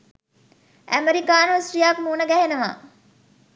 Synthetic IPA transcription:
ʔæ̰meɾikaːnosɾijaːkmuːnəɡæɦenəʋa̰ː

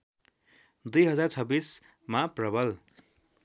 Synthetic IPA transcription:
d̪ujɦʌd͡zart͡sʰʌbis | maprʌbʱʌl

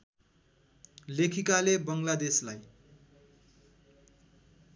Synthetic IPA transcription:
lekʰikalebʌŋlad̪eslaj

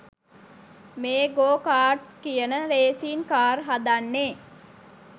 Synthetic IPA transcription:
meːɡoːkaːʈskijənəɾeːsiːnkaːrɦad̪anːeː

